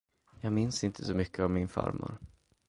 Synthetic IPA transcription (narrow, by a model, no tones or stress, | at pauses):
jɑːɡmɪnsɪnt̪ʰəsɔmʏkːəɔmmːɪnfa̰ɾmʊ̰ɾ